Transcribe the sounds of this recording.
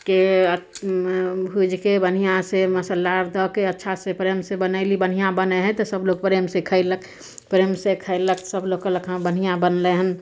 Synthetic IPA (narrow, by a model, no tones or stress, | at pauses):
keə | bʱud͡ʒʱkebən̤ijãseməsəlːaɾd̪əkeətːʃʰasepɾeːmsebənəɪlibən̤ɦijãbəneɦɛ̃t̪osəbloːɡ̚pɾeːmsekʰəɪləkʰ | pɾeːmsekʰəɪlːəkʰsəbloːɡkələkʰɦãbənɦijãbənleɦən